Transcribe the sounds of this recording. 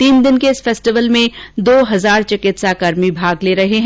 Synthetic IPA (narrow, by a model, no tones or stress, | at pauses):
t̪iːnd̪ɪnkeɪsfeːsʈɪʋəlmẽd̪oːɦɐzaːɾt͡ʃɪɐkɪt̪saːkaɾmibʱaːɡleːɾɐɦeɦɛ̃